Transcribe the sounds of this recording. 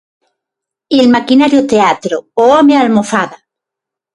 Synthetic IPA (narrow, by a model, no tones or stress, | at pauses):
elmakinaɾjot̪eat̪ɾooomealmofaða